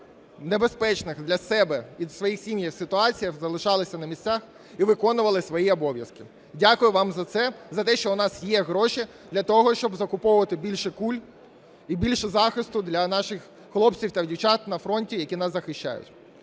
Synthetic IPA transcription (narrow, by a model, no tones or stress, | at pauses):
nebespɛt͡ʃnɪxd̪lʲɐsɛbɛʋʲid̪sʋɔjixsʲimjɐwsɪt̪ʊɑt͡sʲijɐxzɐlˠɪʃɑlˠɪsʲɐnɐmʲisʲt͡sʲax | iʋɪkɔnʊʋɐlˠɪsʋɔjiɔbɔʋʲjɐskɪ | dʲakʊjʊʋɑmzɐt̪sɛzɐt̪ɛʃt͡ʃɔʊnɑsjɛɦɾɔʃi | d̪lʲɐt̪ɔɦɔʃt͡ʃɔbzɐkʊpɔʋʊʋɐt̪ɪbʲilʲʃɛkulʲ | ibʲilʲʃɛzɑxɪst̪ʊd̪lʲɐnɑʃɪxː | lˠɔpt͡sʲiwt̪ɐwdʲiwt͡ʃɑt̪nɐfɾɔnʲtʲijɐkʲinɑszɐxɪʃt͡ʃa̰jʊ̰tʲ